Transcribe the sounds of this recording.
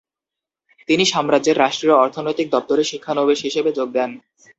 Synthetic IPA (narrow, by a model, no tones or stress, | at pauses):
t̪iniʃamɾad͡ʑeɾːaʃʈɾioɔɾt̪ʰonojt̪ik̚d̪ɔp̚t̪oɾeʃikʰːanobeʃɦiʃebed͡ʑoɡ̚d̪ɛn